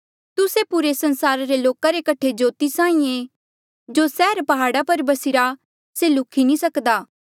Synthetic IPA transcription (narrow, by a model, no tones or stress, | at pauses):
t̪ʊsepʊɾesɐ̃nsaːɾaɾeloːkaɾekɐʈʰed͡ʒoːt̪isãːĩẽ | d͡ʒosɛːɾpɐɦaːɽapɐɾbɐsɪɾa | selʊkʰinĩsɐkd̪aː